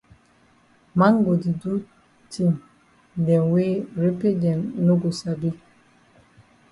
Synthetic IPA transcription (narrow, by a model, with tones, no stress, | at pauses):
ma˦ŋ˦ɡo˨di˨du˦ | tʰi˦˨m | dɛ˨nwe˦ɾe˦pe˦dɛ˨nnːo˦ɡo˨sa˨bi˦